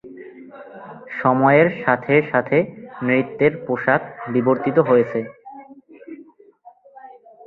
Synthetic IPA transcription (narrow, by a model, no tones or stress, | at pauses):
ʃɔmɔeeɾʃat̪ʰeʃat̪ʰemɾit̪ːeɾpoʃak̚biboɾt̪it̪oɦojet͡ɕʰe